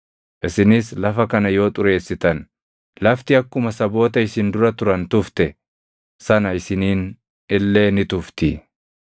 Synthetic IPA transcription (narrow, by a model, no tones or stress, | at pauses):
ʔɪsɪnɪslɐfɐkɐnɐjo̞ːt̪ʼʊɾe̞ːsːɪt̪ɐn | lɐft̪ɪɐkːʊmɐsɐbo̞ːt̪ɐɪsɪnd̪ʊɾɐt̪ʊɾɐnt̪ʊft̪ɛ | sɐnɐɪsɪniːn | ɪlːe̞ːnɪt̪ʊft̪ɪ